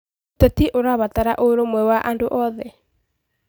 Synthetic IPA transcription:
tɛtiʔoɾaβataɾaʔoɾomwɛwaʔandoʔɔðɛ

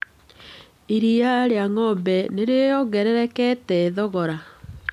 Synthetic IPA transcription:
iɾiaɾeaŋɔbɛneɾejɔɣɛɾɛɾɛkɛtɛːðɔɣɔɾa

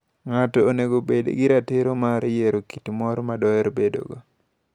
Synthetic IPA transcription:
ŋatɔːneɡobedḛɡɪɾatɪɾomaɾjeɾokitimɔɾmadɔjɛɾbedo̰ɡo

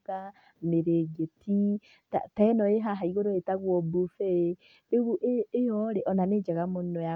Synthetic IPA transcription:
a | meɾeɡetʰi | ta̰taɛnɔeɦaɦaiɣoɾoetaɣwɔbufɛ | eβuʔeejɔɾeʔɔnaned͡ʒaɣamonɔja

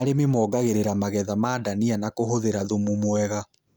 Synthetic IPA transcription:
aɾememɔːɡaɣeɾeɾamaɣɛðamaːdanianakoɦoðeɾaðomumwɛɣa

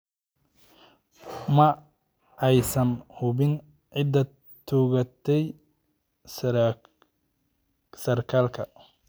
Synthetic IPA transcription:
mɐ | ɛjsɐnhʊbɪn | ʕɪd̪ɐ | t̪ʰuːɣɐt̪ʰɛj | sɐrkʰaːlkʰɐ

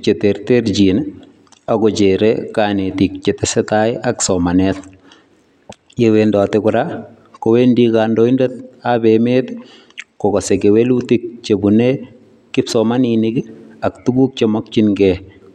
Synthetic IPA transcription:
t͡ʃeteɾteɾd͡ʒin | akɔt͡ʃeɾekanetikt͡ʃetɛsɛtaɪaksɔmanɛt | jewendɔtɪkʊɾa | kɔwendikandoindet̪abemet | kɔkɔsekewelutik̚t͡ʃebune | kɪpsɔmaninɪkɪaktuɡuk̚t͡ʃemɔk̚t͡ʃinɡɛ

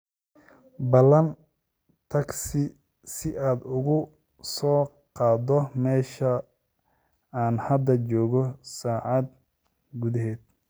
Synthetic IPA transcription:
bɐlɐn | t̪ʰɐɡsɪ | sɪʔaːd̪ʊɣʊ | sɔː | qɑːd̪ɔmɛːʃɐ | aːnhɐd̪ɐt͡ʃɔːɣɔsaːʕɑd̪̚ | ɡuðɐɦɛːd̪̚

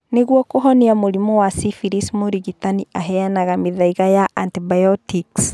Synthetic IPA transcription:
neɣwɔkoɦɔniamoɾimɔwasifiɾismoɾiɣitaniʔaɦɛanaɣamiðaiɣajaʔantibajɔtiks

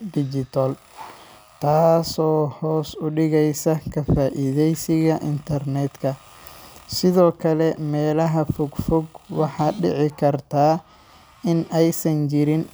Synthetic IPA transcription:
d̪ɪd͡ʒɪt̪ʰɐl | t̪ʰaːsɔːhɔːsʊɖɪɣɛjsɐkʰɐfaːʔɪðɛjsɪɣɐʔɪnt̪ʰɐrnɛːd̪kʰɐ | sɪðɔːkʰɐlɛmɛːlɐɦɐfʊɡfʊɡwɑħɑːɖɪʕɪkʰɐrt̪ʰaː | ɪnɛjsɐnt͡ʃɪɾɪn

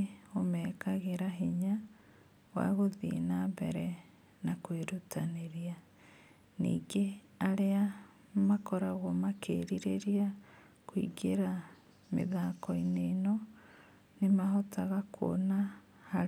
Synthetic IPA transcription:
omɛːkaɣeɾaɦiɲa | wa̰ɣoðḭnabɛ̰ɾɛ | nakweɾutaneɾia | nḭːɡe | aɾea | makɔɾaɣɔmakʰḛɾiɾeɾia | kwḭɡeɾa | mḛðakɔinenɔ | nemaɦotaɣakʰo̰na | ha

